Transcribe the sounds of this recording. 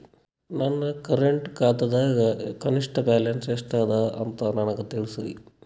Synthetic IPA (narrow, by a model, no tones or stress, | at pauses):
nɐnːɐkɐɾeɳʈkaːt̪ɐd̪ɐɡkɐniʂʈɐbaːlenseʂʈaːd̪ɐɐ̰nt̪ɐnɐnɐkɐt̪eɭisuʋḭ